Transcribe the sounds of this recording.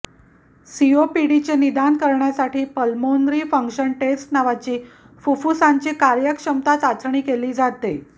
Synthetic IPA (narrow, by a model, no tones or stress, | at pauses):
siopiɽit͡ɕenid̪ankəɾɳjasaʈiːpəlmond̪ɾiːfəŋkɕənʈesʈnaʋat͡ɕiː | fufusaɲt͡ɕekaɾjəkʂəmt̪at͡sat͡sɳ̃iːkeliːd͡zat̪e